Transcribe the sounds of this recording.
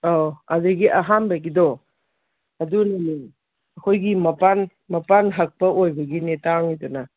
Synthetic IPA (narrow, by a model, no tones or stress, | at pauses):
oadeɡiʔɐɦambaɡido | ɐdunɐni | ɐkʰojɡimɐpan | mɐpanɦɐk̚pɐʔojbɐɡinetaŋidɔnɐ